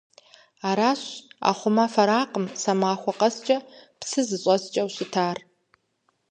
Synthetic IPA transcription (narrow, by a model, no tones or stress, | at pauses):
aːɾaːɕa̰ːχʷʊmɐfɐɾaːqʼəmsɐmaːxʷɔqɐst͡ʃʼɐpsɨzɨɕʼɐst͡ʃʼɐwɕɪtʰaːr